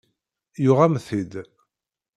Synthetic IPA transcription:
jʊʁæmθid̪

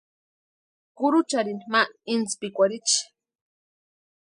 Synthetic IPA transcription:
kʊɾut͡ʃaɾinimaint͡spikʷaɾit͡ʃ

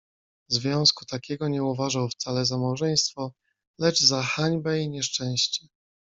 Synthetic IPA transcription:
zvʲjɔ̃w̃sku̥t̪akʲɛɡɔɲɛuvaʐawft̪salɛzamawʐɛj̃st̪fɔ | lɛd͡ʐzaxaɲbɛiɲɛʂt͡ʂɛ̃w̃ɕt͡ɕɛ

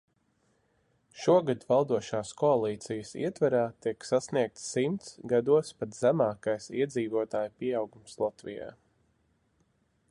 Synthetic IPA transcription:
ʃuɔɡad̪valˠd̪uɔʃaːskʰɔalˠiːt̪sijəsḭɛt̪vaɾaːt̪iksasniɛk̚t̪sːimt̪sɡad̪uɔspat̪zæmaːkajsḭɛd̪ziːvuɔt̪aːjpiɛawɡumslˠat̪vḭja̰ː

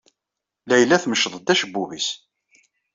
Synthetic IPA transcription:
læjəlːæθməʃðˤət̪ːæʃəbːuvis

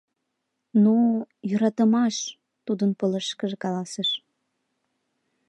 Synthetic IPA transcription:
nujøɾɑt̪əmɑʃ | t̪ud̪ənpələʃkəʒekɑlɑseʃ

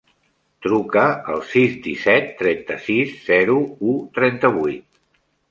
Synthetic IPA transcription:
t̪ɾukəəlˠsizd̪isɛt̪ːɾɛnt̪əsiszɛɾuut̪ɾɛnt̪əβ̞ujt̪̚

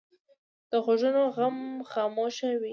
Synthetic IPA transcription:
d̪̥əɣoʒənoɣamxɑmoʃawi

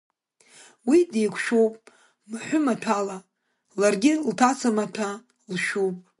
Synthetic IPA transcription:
widekʷʰʃowpʼ | maħʷʊmatʷʰala | larɡʲɪltʰat͡sʰamatʰa | lʃupʼ

